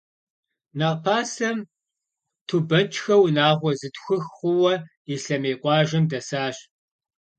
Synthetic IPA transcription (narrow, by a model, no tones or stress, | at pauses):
nɐʁpʰaːsɐm | tʰubɐnt͡ʃʰʼxɐwnaːʁʷɔzɨtxʷʊxχʷʊwɐ | iɬɐmeːqʷʼɑːʒɪmdɐsaːɕ